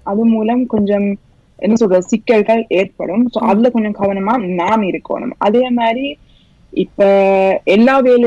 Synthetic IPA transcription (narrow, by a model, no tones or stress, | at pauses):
ɐðɯmuːlɐmkɔɲd͡ʒɔm | ʔɛ̰nːɐsɔlɾɐsɪkːɐɭɣɐleːɾpɐ̰ɽɯmso̰ːʔɐðɪlɐkɔɲd͡ʒɔmkɐʋɐnɐmaːnaːmɪɾɯkːo̰ːɳɯ̰mɐ̰ðeːmaːd̪ɾi | ɪpːoːɛlːaːʋeːl